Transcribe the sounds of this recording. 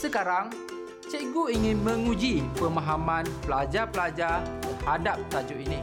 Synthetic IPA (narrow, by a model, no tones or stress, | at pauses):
səkaɾaŋ | t͡ʃɛʔɡuiŋɪnmə̃ŋũd͡ʒipəmaɦamãnpəlad͡ʒapəlad͡ʒatəadap̚t̪ad͡ʒuinĩ